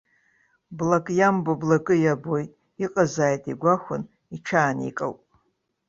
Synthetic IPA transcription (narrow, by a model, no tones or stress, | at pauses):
blakʼjamboblakʼɨjabojtʼ | iqʼazaːjtʼiɡʷaxʷʊn | iʈ͡ʂʰaːnḭkʼa̰wpʼ